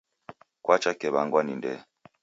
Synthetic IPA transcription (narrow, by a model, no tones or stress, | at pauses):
kwat͡ʃakɛβaŋɡwanindɛ̰